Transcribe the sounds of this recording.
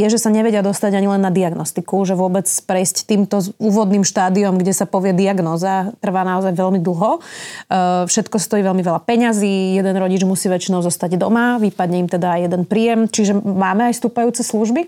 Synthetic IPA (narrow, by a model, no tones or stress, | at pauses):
jɛʒɛsaɲɛʋɛɟɪad̪ɔst̪aɟaɲilɛnːad̪iaɡnɔst̪ikuʒɛʋʊɔbɛt͡spɾɛjsct̪iːmt̪ɔuːʋɔd̪niːmʃt̪aːd̪iɔmɡɟɛsapɔʋɪɛd̪iaɡnɔːzat̪r̩ʋaːnaɔzajʋɛlmid̪l̩ˠɦɔ | fʃɛt̪kɔst̪ɔjiːʋɛlmiʋɛʎapɛɲaziːjɛd̪ɛnɾɔɟid͡ʒmusiːʋɛt͡ʃinɔʊzɔst̪aɟd̪ɔmaʋipad̪ɲɛimt̪ɛd̪aːjɛd̪ɛnpɾiːjɛmt͡ʃiʒɛmaːmɛajst̪uːpajuːt͡sɛsluʒbi